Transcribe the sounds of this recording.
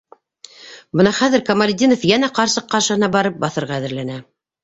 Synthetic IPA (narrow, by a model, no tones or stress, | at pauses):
bɤnɑχæðɘɾkɐmalʲd̪ʲinofjænæqɑɾsɤqːɑɾʃɤ̆hɤ̆nɑbɑɾɤp̚bɑθɤ̆ɾʁɑːðɘ̆ɾlænæ